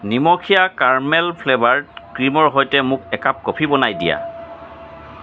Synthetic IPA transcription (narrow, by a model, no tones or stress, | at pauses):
nimɔkʰijakaɹmɛlpʰlebaɹtkɹimɔɹɦɔjtɛmʊkɛkap̚kopʰibɔnajdḭja̰